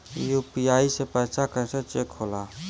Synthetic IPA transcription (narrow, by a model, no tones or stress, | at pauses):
jupijaːisepɛːsakəset͡ʃeːkɦoːlaː